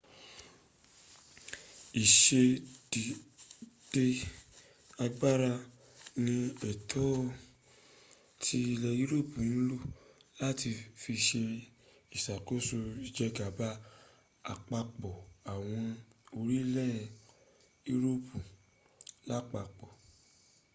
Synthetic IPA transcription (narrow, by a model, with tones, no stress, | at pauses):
i˨ʃe˧di˨ | d̥e˧ | a˧ɡ͡ba˦ɾa˧ | nĩ˧ɛ˨tʰɔ˦ | tʰi˧i˧lɛ˧i˦ɾo˦˨pũ˨ñ̩˦lo˦˨la˦ti˧fi˧ʃe˧ | i˨sa˨ko˦so˧i˨d͡ʒɛ˧ɡa˨ba˦ | a˨k͡pa˧k͡pɔ˨a˨w̃ɔ̃˧o˧ɾi˦lɛ˦˨ | i˦ɾo˦˨pũ˨ | la˦k͡pa˧˨k͡pɔ˨